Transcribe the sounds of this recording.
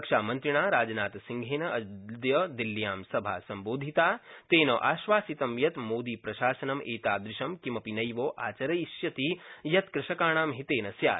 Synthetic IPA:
kʃaːmɐnt̪ɾiɳ̃aːɾaːd͡ʒɐnaːt̪ɐsiŋɡʱeːnɐɐd̪jɐd̪ilːjaːmsɐbʱa̰ːsɐmboːd̪ʱit̪aːt̪eːnoʔaːʃʋaːsit̪ɐmjɐt̪moːd̪iːpɾɐʃaːsɐnɐmʔeːt̪aːd̪ɾɪʃɐmkimɐpinɐjʋoːʔa̰ːt͡ʃɐɾɐjʃjɐt̪ijɐt̪kɾɪʃɐkaːɳ̃aːmɦit̪eːnɐsjaː

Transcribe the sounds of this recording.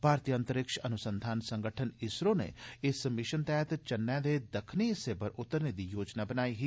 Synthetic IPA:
bʱaːɾt̪ijə̃nt̪əɾɪkʃɐnʊsənd̪ʱaːnsɐ̃ŋɡəʈʰənɪsɾõnḛɪsmɪʃənt̪ɛːt̪t͡ʃɐnːɛ̃ːd̪ed̪ɐkʰniseːbəɾʊt̪ːəɾned̪ijoːd͡ʒnabənaːiɦiː

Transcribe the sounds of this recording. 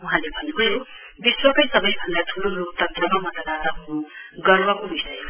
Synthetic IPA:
uɦãlebʱʌneɦojo | biswʌkʌjsʌbʌjbʱʌnd̪at̪ʰulolok̚t̪ʌnt̪rʌmamʌt̪ʌlat̪ʌɦunuɡʌrbʌkobisʌj

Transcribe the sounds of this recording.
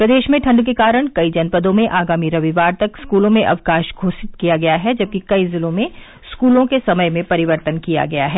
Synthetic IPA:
pɾɐd̪eːʃmẽʈʰɐ̃ɳɖk̬ekaːɾəɽ̃kɐid͡ʒɐnpəd̪õmẽʔaːɡaːmiɾɐʋiʋaːɾt̪ɐkskuːlõmẽʔɐ̰ʋkaːʃɡʱoːsɪt̪kijaɡɐjaɦɛd͡ʒɐb̚kikɐizɪlõmẽ | skuːlõkesɐməjmẽpɐɾɪʋəɾt̪ənkija̰ɡɐja̰ɦɛː

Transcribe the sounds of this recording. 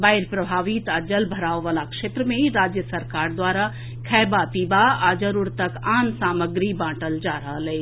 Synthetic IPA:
bajɾpɾəbʱaʋit̪əd͡ʒəlbʱəɾaʋʋəlakʃet̪ɾəmeɾad͡ʒjəsəɾkaɾd̪waɾa | kʰɛjbapibaad͡ʒəɾuɾt̪əkansaməɡɾibãʈəld͡ʒaɾəɦəlɛ

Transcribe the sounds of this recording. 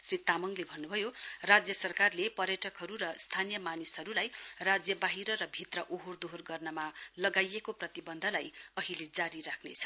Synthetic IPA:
srit̪amʌŋlebʱʌnːubʱʌjorad͡zjʌsʌrkarlepʌrjʌʈʰʌkɦʌɾurʌst̪ʰanijʌmanisɦʌɾulajrad͡zjʌbaɦiɾʌɾʌbʱit̪rʌʔoɦord̪oɦrɡʌrnʌmalʌɡajekoprʌt̪ibʌnd̪ʱʌlajʌɦiled͡zaɾiɾakʰnet͡sʰʌ̥

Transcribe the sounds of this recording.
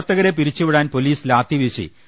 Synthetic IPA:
t̪ːɐɣɐɾe̞p̬iɾit͡ɕːuʋiɽaːnpo̞liːslaːt̪ːiʋiʂḭ

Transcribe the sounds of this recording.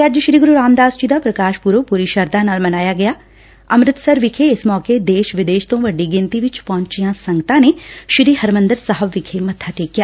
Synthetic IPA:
keəd͡ʒʃɾiːɡʊɾuɾaːmd̪aːst͡ʃiːd̪apɾɐkaːʃpuːɾopuːɾiʃɐɾd̪ãnaːlmɐnaːjaɡɐjaː | ɐmɾɪt̪sɐɾʋɪkʰeɪsmɔːked̪eːʃʋɪd̪eːʃt̪õʋɐɖiɡɪnt̪iʋɪt͡ʃpɔɦɲt͡ʃijãsɐ̃ŋɡt̪ãneʃɾiːɦɐɾmə̃nd̪əɾsəɦəbʋɪkʰemɐt̪ʰaʈ̪eːkːijaː

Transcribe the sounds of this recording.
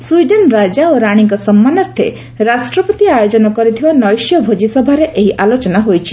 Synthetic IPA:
sujɖenɾad͡ʒaoɾaɽ̃iŋkɔsɔmːanɔɾt̪ʰḛ | ɾasʈɾɔpɔt̪iajod͡ʒɔnɔkɔɾit̪ʰibanɔjsjɔbʱod͡ʒisɔbʱaɾeʔeɦiʔalot͡ʃɔnaɦojt͡ʃʰi̥

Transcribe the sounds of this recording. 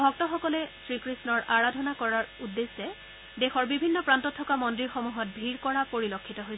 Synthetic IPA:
bʱɔk̚tɔxɔkɔlɛsɹikɹisnɔɹʔaɹadʱɔnakɔɹaɹudːesɛ | dexɔɹbibʱinːɔpɹantɔtʰːɔkamɔndɹiɹxomuɦɔt̚bʱiɹkɔɹapoɹilokʰːitɔɦojs

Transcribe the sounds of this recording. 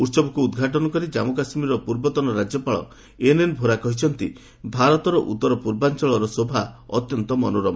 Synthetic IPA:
uɾsɔbɔkuːd̪ɡʱaʈɔnɔkɔɾid͡ʒamokasmiɾɔpuɾbɔt̪ɔnɔɾad͡ʒjɔpaɭɔ̰ | enenbʱoɾakɔɦit͡ʃʰɔnt̪i | bʱaɾɔt̪ɔɾɔʔṵt̪ːɔɾɔpuɾbant͡ʃɔɭɔɾɔsobʱaɔ̰t̪jɔnt̪ɔmɔnoɾɔmɔ

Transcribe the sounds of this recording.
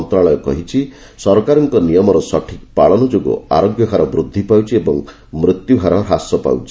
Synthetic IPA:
nt̪ɾaɭɔjɔkɔ̰ɦit͡ʃʰi | sɔɾkaɾɔŋkɔnijɔmɔɾɔsɔʈʰik̚paɭɔnɔd͡ʒoɡṵa̰ɾoɡjɔkaɾɔbɾud̪ʱːipawt͡ʃʰiebɔŋ | mɾit̪juɡʱaɾɔɦasɔpa̰wt͡ʃʰi̥

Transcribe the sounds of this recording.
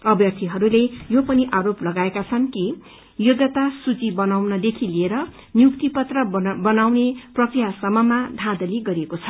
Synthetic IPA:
ʌbjʌrt̪ʰiɦʌɾulejopʌniʔaɾoplʌɡaekat͡sʰʌnki | joɡʌt̪asut͡sibʌnawnʌd̪ekʰilieɾʌ | njukt̪ipʌt̪rʌbʌnawneprʌkrijasʌmːʌmad̪ʱãd̪ʌliɡʌɾiekot͡sʰʌ

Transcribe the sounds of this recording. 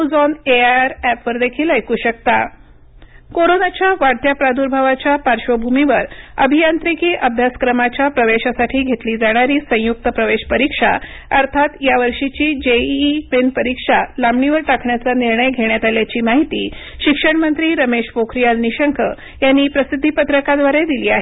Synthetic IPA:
d͡zɔneaɾæpʋəɾd̪ekʰiːlajkuːɕək̚t̪a | koɾonat͡ɕjaʋaɽt̪ʰjapɾad̪uɾbʱaʋat͡ɕapaɾɕobʱumiʋəɾəbʱijant̪ɾikiːʔəbʱjaskɾəmat͡ɕapɾəʋeɕasaʈʰiːɡʱet̪liːd͡zaɽ̃aɾiːsə̃juk̚t̪əpɾəʋeɕpəɾikʂa̰ | əɾt̪ʰat̪jaʋəɾʂit͡ɕiːd͡ʑeʋenpəɾikʂalamɳiʋəɾʈakʰɳjat͡saniɾɳəjɡʱeɳjat̪aljat͡ɕiːmaɦit̪iːɕikʂəɳmənt̪ɾiːɾəmeɕfokʰɾijalniɕəŋkʰə | janːiːpɾəsid̪ʱːipət̪ɾəkad̪ʋaɾed̪iliːaɦe

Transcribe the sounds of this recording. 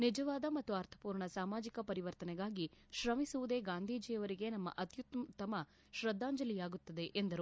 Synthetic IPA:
nid͡ʒɐʋaːd̪ɐmɐt̪ːuɐɾt̪ʰɐ̥puːɾɳɐsaːmaːd͡ʒikɐpɐɾiʋɐɾt̪ɐnɛɡaːɡiʃɾɐmisuʋud̪e̞ːɡaːnd̪ʱiːd͡ʒiːjɐʋɐɾiɡe̞nɐmːɐ̰ʔɐt̪jut̪ːmt̪ːɐmɐ | ʃɾɐd̪ːaːɲd͡ʒɐlijaːɡut̪ːɐd̪e̞ʔend̪ɐɾu

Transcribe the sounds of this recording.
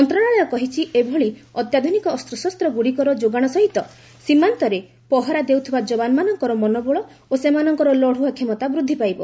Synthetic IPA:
ɔnt̪ɾɔɽ̃aɭɔjɔkɔɦit͡ʃʰiʔebʱɔɭiɔt̪jad̪ʱunikɔːst̪ɾɔsɔst̪ɾɔɡuɽikɔɾɔd͡ʒoɡaɽ̃ɔsɔɦit̪ɔ | simant̪ɔɾe | pɔɦɔɾad̪ewt̪ʰibad͡ʒɔbanmanɔŋkɔɾɔmɔnɔbɔɭɔ | osemanɔŋkɔɾɔlɔɽ̤uakʰemɔt̪abɾud̪ʱːipajbɔ

